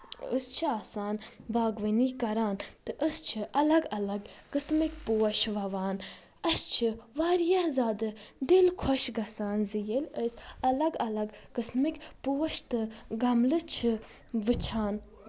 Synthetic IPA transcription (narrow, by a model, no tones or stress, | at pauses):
əst͡ʃʰiaːsaːnbaːɡʋəniːkɐɾaːnt̪ɨʔəst͡ʃʰɨʔɐlɐɡɐlɐɡkɨsmikʲpoːɐʃʋɐʋaːn | ɐst͡ʃʰɨʋaːɾijɐhzaːd̪ɨd̪ilkʰɔʃɡɐsaːnzijeləsɐlɐɡɐlɐɡkɨsmikʲpuːɐʃt̪ɨɡɐmlɨt͡ʃʰɨ | ʋɨt͡ʃʰaːn